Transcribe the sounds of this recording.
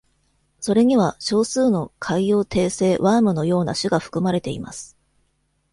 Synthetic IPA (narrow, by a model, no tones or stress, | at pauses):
so̞ɾe̞ɲ̟iβ̞aɕo̞ːsɨːno̞kʰaijo̞ːt̪ʰe̞ːse̞ːβaːmɯ̟no̞jo̞ːna̰ɕɨɡaɸɯ̥kɯ̟maɾe̞t̪e̞ḭma̰sɨ̥